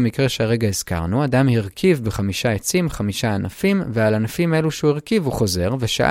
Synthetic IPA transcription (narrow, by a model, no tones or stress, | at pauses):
mikʁe̞ʃeaʁe̞ɡaez̥ka̰ʁnuadamhiʁkʰivbeχamiʃaet͡simχamiʃaːnafimvealanafimeluʃeuiʁkivuχo̞ze̞ʁveʃa̰ʔ